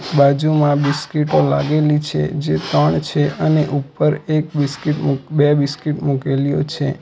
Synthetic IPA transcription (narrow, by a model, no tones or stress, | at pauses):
bad͡ʒumãbiskiʈolaɡelit͡ʃʰḛd͡ʒet̪əɳt͡ʃʰeʔəneʔupəɾek̚bɪskiʈmbɛbiskiʈmukelijo̰t͡ʃʰe